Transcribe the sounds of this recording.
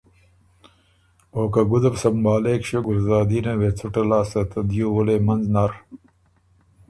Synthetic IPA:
oːkaɡʊd̪ɐbsɐmbaːleːkʂeɡʊɾzaːd̪iːnewet͡sʰuʈɐlaːsɐt̪ɐd̪jowuleːmɐnznaːɾ

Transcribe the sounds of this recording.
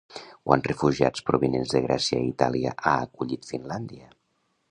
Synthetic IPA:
kwʔanrəfuʒia̰t͡spɾuβinenzðəɣɾɛsiəit̪aliəʔaəkuʎit̪finland̪iə

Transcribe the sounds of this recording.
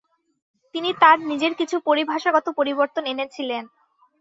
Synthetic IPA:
t̪init̪aɾnid͡ʑeɾkit͡ɕʰupoɾibʱaʃaɡɔt̪opoɾiboɾt̪onenet͡ɕʰilen

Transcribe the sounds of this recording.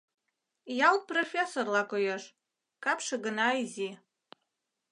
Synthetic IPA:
jal̚profʲesorlakʷʼojaʂ | kʰʼapʰʂaɡɨnajzi

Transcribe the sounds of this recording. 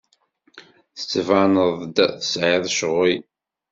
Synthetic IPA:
θə̥t͡sːəvanəðˤd̪θə̥sʕiðˤʃʁi

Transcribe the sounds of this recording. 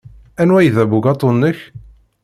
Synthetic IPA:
ænwæjðæbuɡɑt̪ˤːonːəç

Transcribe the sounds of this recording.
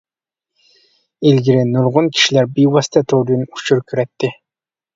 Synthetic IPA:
ilɡʲiɾɪnuɾʁʊnkʲʰi̥ʃilæɾbijwɑst̪ʰɛt̪ʰoɾynut͡ʃʰuɾkʲʰyɾɛt̪ːɪ

